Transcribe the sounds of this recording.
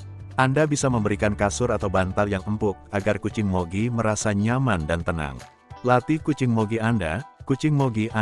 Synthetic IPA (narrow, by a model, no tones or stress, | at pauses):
ʔandabisaməmbəɾikankasʊrat̪awbant̪aljaŋəmpʊk̚aɡarkut͡ʃɪŋmoɡiməɾasaɲamandant̪əna̰ŋ | lat̪ikut͡ʃɪŋmoɡianda̰kut͡ʃɪŋmoɡiʔa